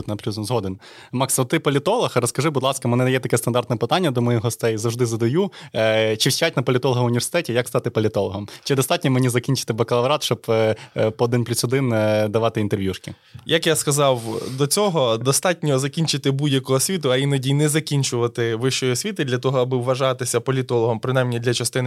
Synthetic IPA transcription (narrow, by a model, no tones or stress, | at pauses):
t̪nɐplʲuzzɦɔd̪en | mɑksmɐt̪ɪpɔlʲɪt̪ɔlˠɔxrɔskɐʒɪbʊd̪lˠɑskɐmɛnɛd̪ɐjɛt̪ɐkɛst̪ɐnd̪ɑrt̪nɛpɪt̪ɑnʲːɐd̪ɔmɔjixɦɔst̪ɛjzɐwʒd̪ɪzɐd̪ɐju | t͡ʃɪʃt͡ʃatʲnɐpɔlʲɪt̪ɔlˠɦɐʋʊnʲʋʲersɪ̥t̪ɛtʲijɐkst̪ɑt̪ɪpɔlʲɪt̪ɔlˠɔɦɔmt͡ʃɪd̪ɔst̪ɑtʲnʲɔmenʲizɐkʲinʲt͡ʃɪ̥t̪ɪbɐkɐlˠɐʋɾɑt̪ʃt͡ʃɔb | pɔːd̪ɪnpʲlʲusʲɔd̪ɪnd̪ɐʋɑt̪ɪint̪eɾʋʲjuʃkʲɪ̰ | jɐkjaskɐzɑwd̪ɔt͡sʲɔɦɔd̪ɔst̪ɑtʲnʲɔzɐkʲinʲt͡ʃɪt̪ɪbudʲjɐkɔɦɔsʲʋʲit̪ʊɐinɐdʲijnɛzɐkʲinʲt͡ʃʊʋɐt̪ɪʋɪʃt͡ʃɔjiɔsʲʋʲit̪ɪd̪lʲɐt̪̬ɔɦɔɐbɪʋːɐʒɑt̪ɪsʲɐpɔlʲit̪ɔlˠɔɦɔmpɾɪnɑjmnʲid̪lʲɐt͡ʃɐst̪ɪn